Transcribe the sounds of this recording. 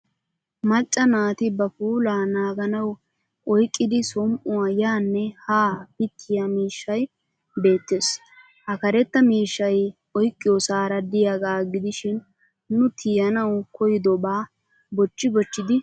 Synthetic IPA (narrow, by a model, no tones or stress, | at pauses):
mɐt͡ʃʼːɐnaːt̪ɪbɐfuːlaːnaːɡɐnɐw | ʔɔjkʼːɪd̪ɪsɔmʔʊwajaːnːɛhaːpɪt̪ʰːɪjɐmiːʃːɐj | be̞ːt̪ːeːs | hɐkɐɾɛt̪ːɐmiːʃːɐj | ɔjkʼːɪjɔsaːɾɐd̪ɪjaɡaːɡɪd̪ɪʃɪn | nʊt̪ʰɪːjɐnɐwkɔjɪd̪ɔbaː | bɔt͡ʃːɪbɔt͡ʃːɪd̪ɪ